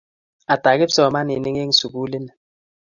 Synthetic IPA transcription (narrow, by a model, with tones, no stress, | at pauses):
a˨ta˨ke˦sɔ˦ɔ˨ma˦ni˨ni˦ŋe˦ŋ̩˨su˨ku˦li˦nɛ˨